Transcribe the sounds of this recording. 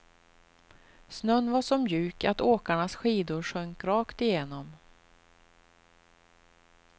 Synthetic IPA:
snœnːvaʂɔmjʉ̟ːkat̪oːkaɳasɧiːd̪ʊɾʂœŋkɾɑːkt̪ɪjeːnɔm

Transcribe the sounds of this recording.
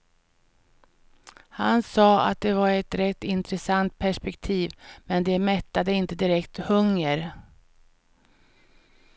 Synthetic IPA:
hansɑːa̰t̪̚d̪ɛvaɾɛt̪ɾɛt̪ːɪnt̪ɾɛsant̪̚pʰæʂpɛkt̪ʰiːvmɛnd̪ɛmɛt̪ːad̪əɪnt̪əd̪ɪɾɛkt̪hɵŋːəɾ

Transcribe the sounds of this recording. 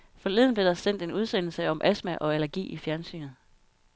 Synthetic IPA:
fɒ̽leð̞̰ˠn̩b̥le̝d̥ɑ̈sen̰d̥e̝nuð̞ˠsen̰l̩səɒ̽mʔæsmæʔɒ̽ælɐɡ̥ḭːifjæɐnsy̰ːnð̩ˠ

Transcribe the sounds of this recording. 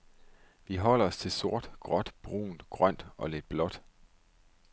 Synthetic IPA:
ʋiɦɒ̽l̰ɐɒst͡sʰe̝lso̝ɐ̰d̥ɡ̥ʁɒ̽d̥b̥ʁṵːn̩d̥ɡ̥ʁɶn̰d̥ɒ̽le̝d̥̚b̥lɒ̽d̥

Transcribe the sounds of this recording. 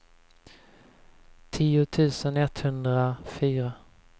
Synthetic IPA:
t̪ʰiːʊt̪ʰʉ̟ːsənɛt̪hɵnd̪ɾafyːɾa

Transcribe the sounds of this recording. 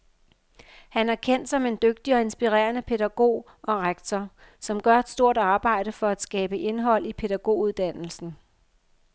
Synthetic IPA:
hænæɐkʰen̰d̥sɒ̽me̝nd̥øɡ̥̚d̥iɒ̽e̝nsb̥iʁɛ̰ːɐnəpʰe̝ð̥æɡ̥o̝̰ː | ɒ̽ʁaɡ̥t͡sʰɒ | sɒ̽mɡ̥ɶɐed̥sd̥o̝ɐ̰d̥ɑ̈ːb̥ɑ̈ɪ̰ɾ̥əfɒ̽æd̥sɡ̥ɛːb̥əʔe̝nɦɒ̽l̰ipʰe̝ɾæɡ̥o̝̰ːuðˠd̥æn̰l̩sn̩

